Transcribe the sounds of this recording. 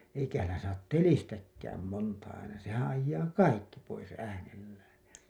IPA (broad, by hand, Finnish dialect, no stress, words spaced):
eikæhæ lːæ sɑːt telistækːæːm montɑ ɑinɑ sehæ̃ː ɑjːɑː kɑikːi pois æːnelːæːn̞ jæ